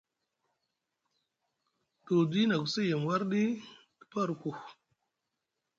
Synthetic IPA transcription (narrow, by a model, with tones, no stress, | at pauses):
to˨di˦na˨ɡu˨si˦jə˨m˨wa˦ɾɗi˦ | kə̥˨pa˦˨ɾku˨